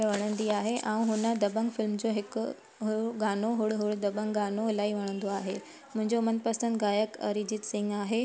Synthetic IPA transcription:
ʋɐɽ̃ə̃nd̪iaːɦeʔãːũɦʊnə̆d̪ɐbəŋɡfɪlmd͡ʑoːɦɪkʊ | ɦʊɡaːnoɦʊɽɦʊɽd̪ɐbəŋɡɡaːnoɪlaːiʋɐɽ̃ə̃nd̪oaːɦe | mʊ̃ɦɪ̃ɲd͡ʑomɐnpɐsə̃nd̪ɡaːjəkəɾid͡ʑɪʈsɪ̃ŋɡaːɦe

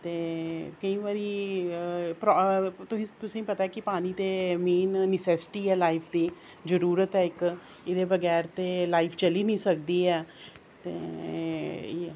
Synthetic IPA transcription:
t̪eːkɐĩʋaɾi | pɾɔt̪ʊsĩt̪ʊsẽĩpɐt̪aɛkipaːñit̪emeːnnɪsɛsɪ̥ʈiɦɛːlaːɪpʰd̪iː | zəɾuːɾət̪ɦɛɪk | ɪd̪ebɐɡɛːɾt̪elaːɪpʰt͡ʃɐlinə̃ĩsɐk̚d̪iɦɛː | t̪ḛ

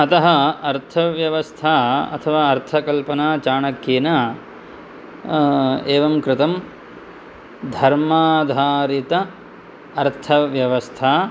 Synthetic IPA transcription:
ɐt̪ɐɦɐɐɾt̪ʰɐʋjɐʋɐst̪ʰaːɐ̰t̪ʰɐʋaːɐɾt̪ʰɐkɐlpɐnaːt͡ʃaːɳɐkːeːnɐ | eːʋɐmkɾɪt̪ɐm | d̪ʱɐɾmaːd̪ʱaːɾit̪ɐː | ɾt̪ʰɐʋjɐʋɐst̪ʰaː

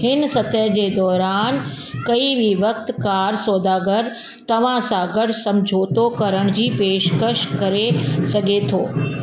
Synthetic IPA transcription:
hɪnsɐt̪əjəd͡ʑeːd̪ɔːɾaːn | kɐiʋiʋɐkt̪kaːɾsoːd̪aːɡəɾ | t̪ɐʋ̤ãsãɡɐɽ̤ʱsɐ̃md͡ʑʱoːt̪okɐɾəɽ̃d͡ʑiːpeːʃkəʃkɐɾesɐɡʱet̪ʰoː

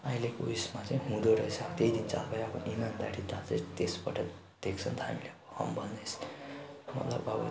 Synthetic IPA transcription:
aĩlekuismat͡saj̃ɦũd̪oɾʌjt͡sʰʌbt̪eid̪int͡sa̰lbajapʰʌnʔimand̪a̰ɽit̪at͡set̪espʌʈʰʌ | d̪̥ekt͡sʰʌnt̪ʌɦa̰mileʌbʌhʌ̰mbʱʌnnes | mʌ̰t̪lʌ̰bʌbʌ̰

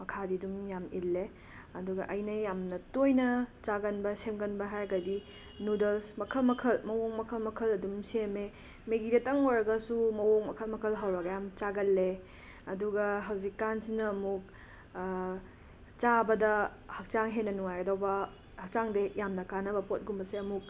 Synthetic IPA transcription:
mɐkʰadiɐdumjamilːe | ɐduɡɐʔɐjnɐjamnɐtojnɐt͡ʃaɡɐnbɐsemɡɐnbɐɦaɾɡɐdi | nudɐlsmɐkʰɐlmɐkʰɐlmɐwoŋmɐkʰɐlmɐkʰɐlɐdumseme | meɡidetɐŋojɾɐɡɐsumɐwoŋmɐkʰɐlmɐkʰɐlɦɐwɾɐɡɐjamt͡ʃaɡɐlːe | ɐduɡɐɦɐwzikːansinɐːmuk̚ | t͡ʃabɐdɐ | hɐk̚t͡ʃaŋɦenːɐnuŋajɐdowbɐ | hɐk̚t͡ʃaŋdejamnɐkanɐbɐpot̚ɡumbɐseɐmuk̚

